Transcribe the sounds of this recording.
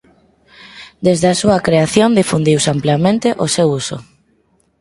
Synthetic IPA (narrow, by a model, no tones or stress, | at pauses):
d̪ezðeasuɐkɾeaθjond̪ifund̪iwsampljamẽnt̪eʔosewuso̰